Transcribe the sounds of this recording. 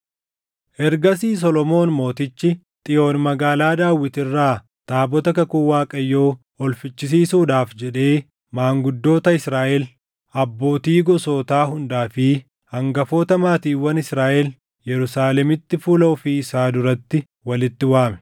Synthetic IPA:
ʔɛɾɡɐsiːs̬ɔlɔmo̞ːnmo̞ːt̪ɪt͡ʃːɪ | t̪ʼɪjʔo̞ːnmɐɡaːlaːd̪aːwːɪt̪ɪrːaː | t̪aːbɔt̪ɐkɐkʊwaːkʼɐjːo̞ː | ɔlfɪt͡ʃːɪs̬iːsuːd̪aːfd͡ʒɛᶑe̞ː | maːŋɡʊd̪ːo̞ːt̪ɐɪsɾaːʔɛl | ɐbːo̞ːt̪iːɡɔso̞ːt̪aːɦʊnd̪aːfɪ | hɐŋɡɐfo̞ːt̪ɐmaːt̪iːwɐnɪsɾaːʔɛl | jɛɾʊsaːlɛmɪt̪ːɪfuːlɐʔʊfɪɪsaːd̪ʊɾɐt̪ːɪ | wɐlɪt̪ːɪwaːmɛ̥

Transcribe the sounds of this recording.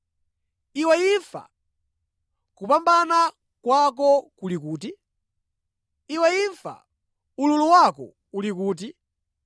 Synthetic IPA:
iwɛifa̰ | kupambana | kwak̬ɔkulikuːti | iwɛiɱfa̰ | ululuwakɔ̰ | ulikuːt̬i

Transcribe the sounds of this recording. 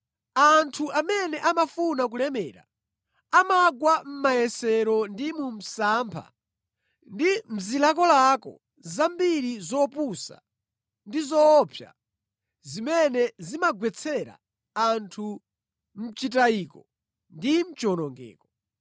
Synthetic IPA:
antʰuʔamɛnɛʔamafunak̬ulɛmɛːɾa̰ | amaɡwam̩majɛsɛɾɔndimum̩saːmpʰa̰ | ndim̩zilak̬ɔlakɔ̰ | zambiɾizɔpusa̰ | ndizɔːpʰja̰ | zimɛnɛzimaɡwɛt͡sʰɛɾa̰ | antʰu | m̩t͡ʃitaiːkɔ | ndim̩t͡ʃɔnɔŋɡɛ̰ːkɔ

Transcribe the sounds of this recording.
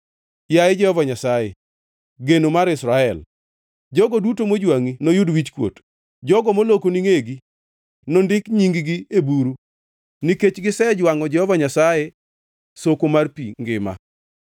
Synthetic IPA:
jajed͡ʒɛhɔvaɲasajḛ | ɡenomaɾɪsɾaɛl | d͡ʒɔɡɔdutomod͡ʒwaŋinojudwit͡ʃkwo̰t | d͡ʒɔɡɔmolokoniŋeɡi | nondɪkɲiŋɡɡiebuɾu | niket͡ʃɡɪsɛd͡ʒwaŋɔd͡ʒɛhɔvaɲasaje | sokomarpḭŋɡɪ̰ma̰

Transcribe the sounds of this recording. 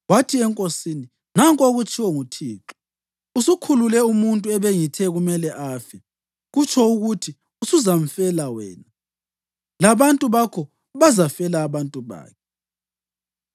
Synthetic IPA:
watʰiɛŋkʼosiːni | naŋkʼoɣut͡ʃʼʰiwɔŋutʰiːǁɔ̥ | usukʰululɛumuntʼuɛβeŋitʰɛɣumɛlɛʔafɛ | ɣut͡ʃʰɔuɣutʰi | usuzam̩fɛlawɛ̰ːna | laβantʼuβakʰɔ | βazafɛlaːβantʼuβa̰ːkʰɛ

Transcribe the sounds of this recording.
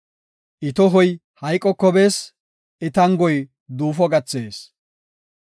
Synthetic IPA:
ʔɪt̪ɔɦɔj | hɐjkʼːɔkːɔbeːs | ɪt̪ɐŋɡɔj | d̪uːfɔɡɐt͡sːeːs

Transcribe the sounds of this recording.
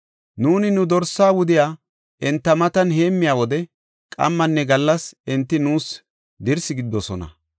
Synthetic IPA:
nuːnɪnʊd̪ɔɾsːaːwʊd̪ɪjaː | ʔɛnt̪ːɐmɐt̪ɐnɦe̞ːmːɪjaːwɔd̪ɛ | kʼɐ̰mːɐnːɛɡɐlːɐsɪnt̪ːɪnuːs | d̪ɪɾsɪɡɪd̪ːɔsɔnɐ̰

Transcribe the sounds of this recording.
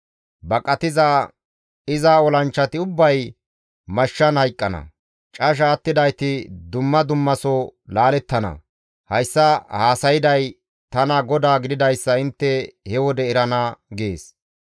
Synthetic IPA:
bɐkʼɐt̪ɪzaː | ɪzaːɔlɐnt͡ʃːɐt̪ɪʊbːɐj | mɐʃːɐnhɐjkʼːɐnɐ̰ | t͡ʃʼɐʃ̬aːt̪ːɪd̪ɐjt̪ɪd̪ʊmːɐd̪ʊmːɐsɔlaːlɛt̪ːɐnɐ̰ | hɐjsːɐhaːsɐjɪd̪ɐj | t̪ɐnɐɡɔd̪aːɡɪd̪ɪd̪ɐjsːɐɪnt̪ːɛhɛwɔd̪ɛɛɾɐnɐɡeːs

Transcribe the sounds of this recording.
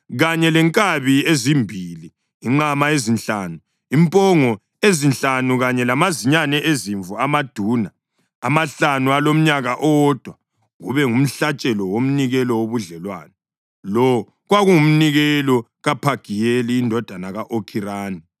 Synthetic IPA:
ɣaɲɛlɛŋkʼaβiezimbʱiliː | ŋ͡ǃamaezint͡ɬaːnu | impʼɔŋɔ | ezinɬanuɣaɲɛlamaziɲanɛʔeziɱvuamad̥ʱuːnaː | maɬanualom̩ɲaɣaʔɔd̥ʱwa | ɣuβɛŋum̩ɬat͡ʃʼɛlɔwom̩niɣɛlɔwoβuɮɛlwa̰ːnɛ | lɔ | ɣwaɣuŋum̩niɣɛlɔɣapʰaɡ̥ʱijeliːndʱɔd̥ʱanaɣaʔokʰiraːni

